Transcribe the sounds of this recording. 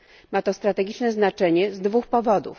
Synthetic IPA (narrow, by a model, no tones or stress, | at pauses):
mat̪ɔst̪ɾat̪ɛɡʲit͡ʂnɛznat͡ʂɛɲɛzd̪vuxpɔvɔd̪ṵf